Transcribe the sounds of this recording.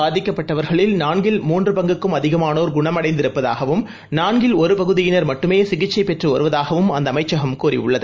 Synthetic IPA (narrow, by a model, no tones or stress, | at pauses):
aːðɪkːɐpːɐʈːɐʋɐɾɣɐɭɪlnaːɳɡɪlmuːndrɯpɐŋɡɯkːɯmɐðɪɣɐmaːnoːɾɡʊɳɐmɐɽɐɪnd̪ɪɾɯpːɐða̰ːɣɐʋɯm | naːɳɡɪlɔɾɯpɐɣɯðɪjɪnɐɾmɐʈːɯmeːsɪɣɪt͡ʃːɐɪpɛʈrɯɔɾɯʋɐðaːɣɐʋɯmɐnd̪ɐmɐɪt͡ʃːɐɣɐmkuːɾḭʊ̰ɭːɐðɯ